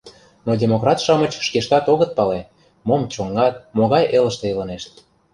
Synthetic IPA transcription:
nodʲemokrɑt̪ʃɑmət͡ɕʃkeʃt̪ɑt̪oɣət̪̚pɑle | momt͡ɕoŋːɑt̪̚moɣɑjʔelə̆ʃt̪eilɤneʃt̪̚

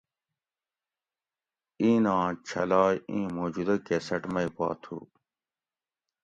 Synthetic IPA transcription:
ĩːnãːt͡ɕʰɐlaːjĩːmoːd͡ʑud̪ɐkesɐʈmɐipa̰ːt̪ʰṵ

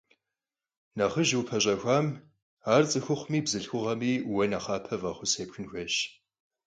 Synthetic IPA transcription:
nɐχəʒwpʰɐɕʼɐxʷaːm | aːrt͡sʼɨxʷʊχʷʊmiːbzɨɬxʷʊʁɐmiːwɐnɐχɑːpʰɐvɐχʷʊseːpxʰʊnxʷɐɕ

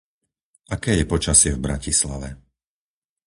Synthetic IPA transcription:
ʔakɛːjɛpɔt͡ʃasɪɛvbɾacisla̰ʋɛ

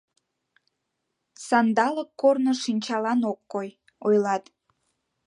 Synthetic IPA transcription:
sɑnd̪ɑləkːornoʃinʲt͡ɕɑlɑnokːoj | ojlɑt̪

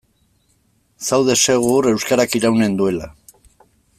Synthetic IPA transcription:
sawðe̞se̞ɣ̞uɾe̞wskaɾakiɾawne̞nd̪ue̞la

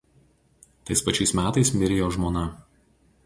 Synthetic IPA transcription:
t̪ɐɪspɐt͡ʃʲɛɪsmʲæːt̪ɐɪsmʲɪɾʲɪjoːʒmoːnɐ

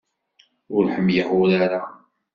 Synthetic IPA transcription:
ʊɾħəmjəhʊɾaɾa

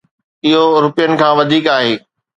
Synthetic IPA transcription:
ɪɦoɾʊpijənɪ̆kʰãːʋɐd̪ʱiːkaːɦeː

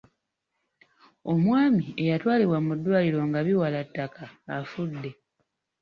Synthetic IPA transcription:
o̞mwaːmie̞jatwaːliβwamudːwaːliɾo̞ŋɡaβiwalatːakaːfudːe̞

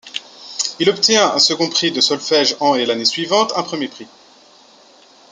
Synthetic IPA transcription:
ilɔpt̪jɛ̃ɛ̰̃səɡɔ̃pχid̪əsɔlfɛʒɑ̃elanesɥivɑ̃t̪ɛ̃pχəmjepχi

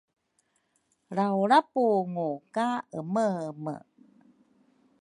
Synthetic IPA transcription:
ɾawuɾapuŋukaəməmə̰

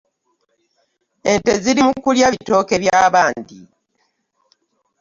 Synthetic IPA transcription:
e̞nte̞ziɾimukuljaβito̞ːke̞βjaːβaːndi

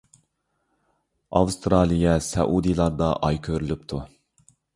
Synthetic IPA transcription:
ɑwst̪ɾɑːlˠijɛsɛ̰ʔud̪ijlˠɑɾd̪ɑʔɑjkʲʰøɾylypt̪ʰu

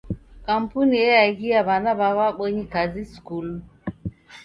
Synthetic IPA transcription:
kam̩punijɛjaɡiaβanaβaβaɓɔɲikaziskul

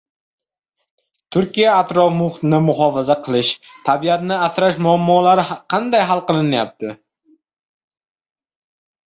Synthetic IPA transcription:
t̪ʰʊɾkʲijaːt̪ɾɒfmʊχt̪nɪmʊɦɒfazaqʰɨlˠɪʃt̪ʰabiat̪nɪasɾaʃmʊamːɒlaɾɪqʰɑnd̪ajɦalˠqɨlˠɪnajap̚t̪ʰɪ

